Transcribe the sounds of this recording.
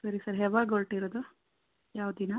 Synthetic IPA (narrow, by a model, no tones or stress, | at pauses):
sɐɾisɐɾɦɛʋaɡoɭʈiɾod̪u | jaːʋd̪ina